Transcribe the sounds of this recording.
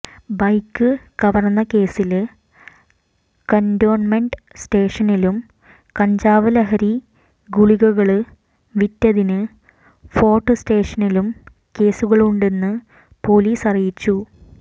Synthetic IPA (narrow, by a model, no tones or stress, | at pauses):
bɐjkːɨkɐʋɐrnːɐke̞ːsil | kɐndo̞ːrnmeɳɖɨ | sʈe̞ːʂɐnilum | kɐɲd͡ʑaːʋɐlɐɦɐɾi | ɡuɭiɣɐɣɐɭɨ | ʋitːɐðinɨ | fo̞ːrʈːɨste̞ːʂɐnilum | ke̞ːsuɣɐɭuɳɖe̞nːɨ | po̞ːliːsɐrijit͡ɕːu